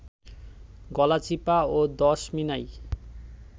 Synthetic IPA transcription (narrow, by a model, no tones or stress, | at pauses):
ɡɔlat͡ɕipaod̪ɔʃminaj